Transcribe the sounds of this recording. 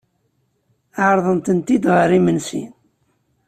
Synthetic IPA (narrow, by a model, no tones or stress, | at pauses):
aʕɾˤðˤənt̪ənt̪id̪ʁəɾimənsḭn